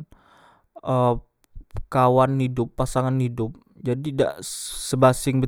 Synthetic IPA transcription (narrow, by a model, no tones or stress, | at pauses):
ʔə | kawanhidʊpːasaŋanhidʊp̚ | d͡ʒadida̰ʔsəbasɪŋbə